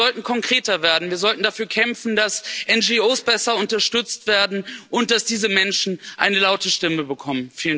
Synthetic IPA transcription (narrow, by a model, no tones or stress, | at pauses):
ɔltn̩kʰɔŋkʁ̥eːtɐveːɐdn̩viːɐzɔltn̩dafyːɐkʰɛmfn̩dasʔɛnd͡ʒioːsb̥ɛsɐʊntɐʃtʏt͡stv̥eːɐdn̩ʔʊnt̚d̥asd̥iːzəmɛnʃn̩ʔa̰ɪnəlaʊtəʃtɪməbəkʰɔmənfiːlən